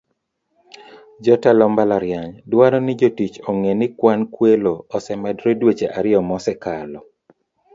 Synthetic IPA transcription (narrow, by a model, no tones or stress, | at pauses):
d͡ʒɔtalɔmbalaɾjaɲdwaɾɔnɪd͡ʒotit͡ʃɔŋenɪkwankweloɔsɛmɛdɾedwet͡ʃeʔaɾɪɔmɔsɛkalɔ